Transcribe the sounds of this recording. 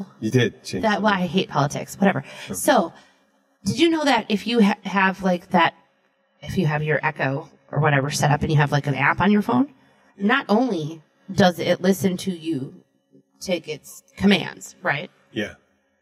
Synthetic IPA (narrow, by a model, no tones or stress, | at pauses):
jɨdɪd̚t͡ʃʰðɨt̚wɛaɪɦeɪt̚pʰɑlˠətʰɪ̰kswʌɾɛvə̰˞soʊ | d̥ɨd͡ʒɨnoʊðɨɾʔɪfjɨəvlaɪk̚ðɨɾ̚ | ɨfjɨːvjə˞ʔɛkoʊ | ʔə̰˞wʌɾɛvə˞sɛɾʌpɨ̃njɨːvlaɪkɨ̃næ̰pn̩jə˞fõʊ̃nː | əɾʔõʊ̃nli | dʌzɪtˡlɪsɨ̃ntʰɨjɨ | tʰeɪkɪtskʰɨmæ̰̃ndz̥ɹaɪt̚ | jæ̰